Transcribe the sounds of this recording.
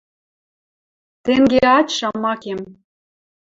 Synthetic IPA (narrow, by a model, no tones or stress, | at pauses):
t̪eŋɡeɑt͡ɕʃɑmːɑkem